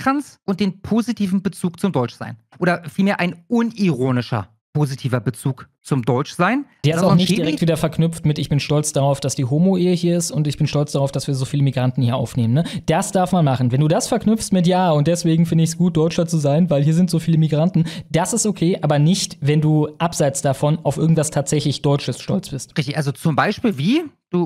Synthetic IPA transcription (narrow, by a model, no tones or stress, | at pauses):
kʁant͡sʔʊnt̚d̥eːnpʰoːzitʰiːvn̩bət͡suːk̚t͡sʊmdɔʏt͡ʃz̥a̰ɪnʔoːɾɐfiːlmeːɐʔa̰ɪnʔʊniʁoːnɪʃɐ̰ | pʰoːzitʰiːvɐbət͡suːkt͡sʊmdɔʏt͡ʃz̥aɪnd̥eːɐɪstaʊxnɪçtdd̥iʁdɛktv̥iːdɐfɛɐknʏpp͡ftmɪtɪçb̥ɪnʃtɔlt͡sd̥aʁaʊfd̥asd̥iːɦoːmoʔeːəɦiːɐɪstʊntɪçb̥ɪnʃtɔlt͡sd̥aʁaʊfd̥asv̥iːɐzoːfiːləmiɡʁantn̩hiːɐʔa̰ʊfneːmənəd̥asd̥aɐfmanmaχn̩vɛnduːdasfɛɐknʏpfstmɪtjaːʊnt̚d̥ɛsv̥eːɡŋ̩fɪndəɪçsɡ̥uːt̚d̥ɔʏt͡ʃɐt͡suzaɪnvaɪlɦiːɐzɪntz̥oːfiːləmiɡʁantn̩d̥asɪstokʰeːʔʔaːbɐnɪçtvɛnduːʔapz̥aɪt͡sd̥afɔnʔaʊfʔɪɐɡŋ̩tv̥astʰaːtz̥ɛçlɪçd̥ɔʏt͡ʃəsʃtɔlt͡sb̥ɪstʁɪçtɪçʔalzot͡sʊmbaɪʃpiːlviːd̥uː